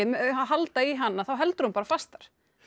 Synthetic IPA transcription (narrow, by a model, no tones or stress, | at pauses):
ɪmaɦalt̪aiɦanːaθawɦɛlt̪ʏɾumpaːɾafast̪aɾ̥